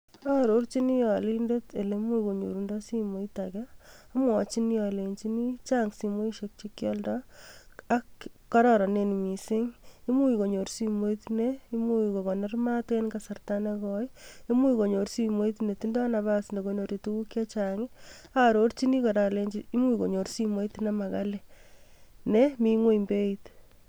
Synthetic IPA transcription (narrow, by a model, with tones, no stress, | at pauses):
a˦ɾo˦ɾt͡ʃi˦ni˦jɔ˨lindete˨le˦mu˦i˨ko˨ɲo̰˨ɾundɔ˦si˦mo˨itakɛa˦mwɔ˨t͡ʃi˦ni˦jɔ˨leɲt͡ʃi˦ni˦t͡ʃaŋsi˨mo˦i˦ʃek̚t͡ʃikːjɔ˦ldɔ | akːɔ˦ɾɔɾɔ˨nenmi˨sɪ˦ŋi˦mu˦iko˨ɲo˨ɾsimo˦itinei˦mu˦iko˨ko˨ne˦rmate˦nkasa˨rtanekɔji˦mu˦iko˨ɲo˨ɾsi˦mo˦i˦tne˨ti˦ndɔ˦naβa˦si˨ndo˨ko˨ɲo˨ɾe˨tu˦ku˦kja˦t͡ʃaŋɪ˦ | aɾort͡ʃi˦ni˦kɔ˨ɾa˨le˦ɲd͡ʒii˦mu˦i˨ko˨ɲo˨ɾsi˦mo˦itnama˨ka˦le | nemiŋwe˦imbe˦it